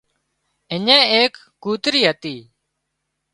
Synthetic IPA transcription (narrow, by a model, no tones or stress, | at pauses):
ɪɲẽːeːkːuːt̪ɾiːɦət̪iː